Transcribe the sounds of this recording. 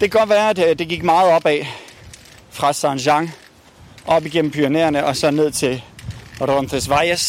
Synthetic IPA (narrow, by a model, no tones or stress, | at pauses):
d̥e̝ɡ̥ɒʋæːɐd̥ed̥e̝ɡ̥iɡ̥mɑ̈ːð̞̩ˠɒ̽b̥ɛ | fʁɑ̈sɑnɕɑ̈ŋ | ʔɒ̽b̥iɡ̥en̰m̩pʰyneːɐnəɒ̽sɒ̽ne̝ð̞̰ˠt͡sʰe̝ldondʰʁesʋɑ̈ɪəs